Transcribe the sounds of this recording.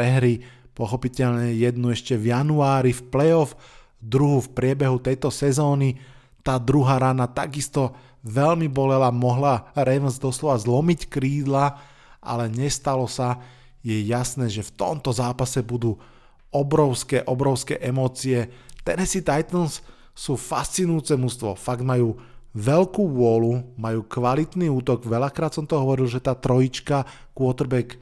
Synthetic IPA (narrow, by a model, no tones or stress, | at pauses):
ɾɛɦɾipɔxɔpicɛʎɲɛjɛd̪nuɛʃcɛvjanuaːɾifplɛɔf | d̪ɾuɦufpɾɪɛbɛɦut̪ɛjt̪ɔsɛzɔːni | t̪aːd̪ɾuɦaːɾanat̪aɡist̪ɔ | ʋɛlmibɔlɛlamɔɦlaɾɛʋnzd̪ɔslɔʋazlɔmickɾiːd̪la | ʔa̰lɛɲɛst̪alɔsa | jɛjasnɛːʒɛft̪ɔ̰mt̪ɔzaːpasɛbud̪uː | ɔbɾɔʊskɛʔɔbɾɔʊskɛ̰ːʔɛmɔːt͡siɛt̪ɛnɛsit̪ajt̪ɔnsː | uːfast͡sinujuːt͡sɛmust̪ʋɔ̰faɡ̚d̪majuːʋɛlkuːʋʊɔlumajuːkʋalit̪niːuːt̪ɔɡʋɛʎakɾaːt̪sɔmt̪ɔɦɔʋɔɾilʒɛt̪aːt̪ɾɔjit͡ʃka | kʊɔt̪ɾbɛk